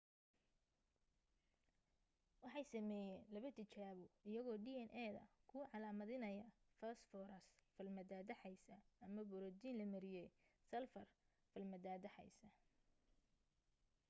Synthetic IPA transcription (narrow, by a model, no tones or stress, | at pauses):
wɑħɑjsɐmɛːjɛːnlɐβɐt̪ʰɪt͡ʃaːβɔɪjɐɣɔːɖiːɛnʔɛːðɐ̰kʰʊʕɑlaːmɐðɪnɐjɐfɐsfɔɾɐsfɐlmɐd̪aːd̪ɐħɑjsɐɐmɐbʊɾɔd̪iːnlɐmɐɾɪjɛjsɐlfɐr | fɐlmɐd̪aːd̪ɐħɑ̰jsɐ